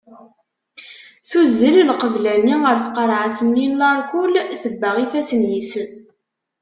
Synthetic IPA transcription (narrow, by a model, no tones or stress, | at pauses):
θuzːəllqəvlæniəɾθqəɾˤʕat͡sːənːinlɑɾˤkulθəbːəʁifæsənjisən